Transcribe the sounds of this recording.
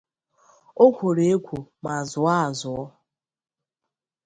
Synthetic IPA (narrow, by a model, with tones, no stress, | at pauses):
o˦kʷo˨ɾe˨˦e˦kʷʰo˨ma˨zʊ˨˦a˦a˨zʊ˨ɔ˦